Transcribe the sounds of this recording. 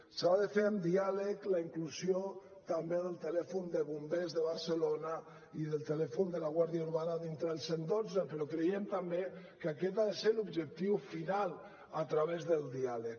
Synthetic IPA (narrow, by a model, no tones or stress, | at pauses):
saðəfeɾəmd̪ialəklaiŋkluzio | t̪ambeðəlˠt̪əlɛfund̪əβumbezðəβaɾsəlona | iðəlˠt̪əlɛfund̪əlaɣwaɾðiauɾβanaðint̪ɾəəlˠsend̪od͡zəpəɾɔkɾejemt̪ambe | kakɛt̪aðeselubʒək̚t̪iwfinal | at̪ɾaβezðəlˠd̪ialək